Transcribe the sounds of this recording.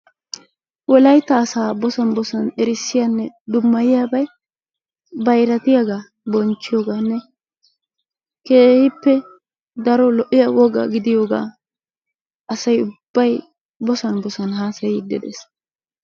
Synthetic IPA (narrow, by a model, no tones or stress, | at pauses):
wɔlɐjt̪ːɐːsaːbɔsɐnbɔsɐnɛɾɪsːɪjɐnːɛd̪ʊmːɐjɪjaːbɐj | bɐjɾɐt̪ɪjaɡa | bɔnt͡ʃːɪjoːɡaːnːɛ | ke̞ːhɪpːɛ | d̪ɐɾɔlɔʔɪjɐwɔɡɐ̰ɡɪd̪ɪjoːɡa̰ː | ʔɐsɐjʊb̥ːɐj | bɔsɐnbɔsɐnɦaːsɐjɪd̪ːɛ̰d̪ɛ̰s